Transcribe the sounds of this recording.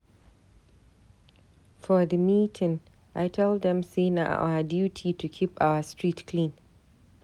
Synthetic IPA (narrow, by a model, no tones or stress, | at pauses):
fɔðəmiːtʰɪ̃ŋ | ʔajtʰɛld̪ðɛ̃msena̰ʔʔa̰wadjuːtʰitʰukʲʰipawɐstɹiːtkʰlĩːn